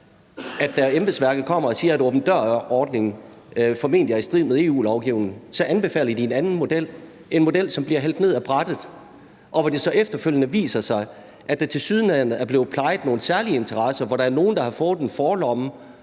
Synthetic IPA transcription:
æd̥ːæemb̥əsʋæɐɡ̥ð̩ˠkʰɒ̽m̰ɐɒ̽siːɐæɾoːb̥n̩d̥ɶɐ̰ɒːd̥ne̝ŋ̩ | fɒ̽me̝̰ːndiæɐisd̥ʁið̰ˠmeðˠe̝ːṵːlɒʊɡ̥ḭʊnŋsɒ̽ʔænb̥e̝fɛ̰ːlɐd̥ie̝nænn̩mo̝d̥el̰ | e̝nmo̝d̥el̰sɒ̽mb̥liɐɦel̰d̥ne̝ð̞̰ˠæb̥ʁad̥ð̩ˠ | ʔɒ̽ʋɒd̥e̝sɒ̽ʔefd̥ɐføl̰jənəʋḭːsɐsɑ̈ɪ | ʔædd̥æ̈t͡sʰe̝lsyð̞ˠnænð̩ˠæɐb̥le̝ːð̩ˠpʰlɑ̈ɪð̩ˠno̝ːn̩sæɐliəe̝nt͡sʰɐʁɑsɐʋɒɾɑæɐno̝ːn̩d̥ɑ̈hɑ̈fɔ̽ːð̩ˠenfɒːlɒ̽mə

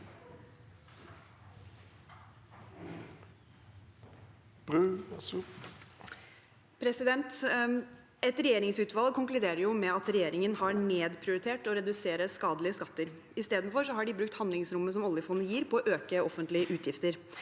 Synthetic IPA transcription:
b̥ʁʉːsu | pʰɾɛsɪd̪ɛnt̪ | ɛt̪ɾɛjeːɾɪŋsʉːt̪ʋɑlkʰʊŋklʉd̪eːɾəɾjʊmɛɑt̪ɾɛjeːɾɪŋənhɑɾneːd̪pʰɾɪʊɾɪt̪ʰeːʈɔɾɛd̪ʉseːɾəskɑːd̪lɪəskɑt̪ːəɾ | ɪst̪eːd̪n̩fɔɾʂɔhɑɖɪbɾʉk̚t̪hɑnd̪lɪŋsɾʊmːəs̬ɔmɔlːɪəfɔnːəjiːɾpʰɔːʔøːkəɔfənt̪lɪəʔʉːt̪ʰjɪft̪əɾ

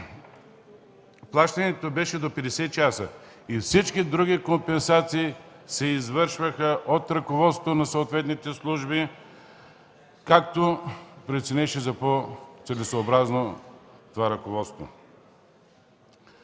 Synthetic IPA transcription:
plˠaʃt̪ɐnɛt̪obɛʃɛd̪opɛd̪ɛsɛt͡ʃasə | ifsit͡ʃkid̪ɾuɡʲikompɛnsat̪siː | sɛizvɤɾʃvəxəʔot̪ɾɐkovɔt̪st̪onɐsoːt̪vɛt̪nit̪ɛslˠuʒbi | kak̚t̪opɾɛt̪sɛnɛʃɛzɐpot̪sɛlisoːbɾaznot̪ovaɾɐkovɔt̪st̪vo̰

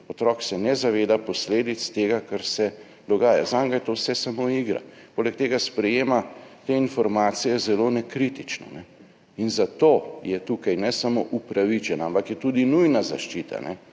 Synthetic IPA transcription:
ɔt̪ɾɔːksɛnɛzaʋeːd̪apɔsleːd̪it̪st̪eːɡakaɾsɛ | d̪ɔɡaːja̰zaŋɡajt̪owsɛsamoiɡɾa̰ | poːlɛk̚t̪eːɡaspɾɛjeːmat̪einfɔɾmaːt̪sijɛzɛlonɛkɾit̪it͡ʃnɔ̰nɛ | inzat̪oːjɛt̪ukajnɛsamoʔupɾaʋit͡ʃɛnaampakjɛt̪ud̪inujnazaʃt͡ʃiːt̪a̰nɛ

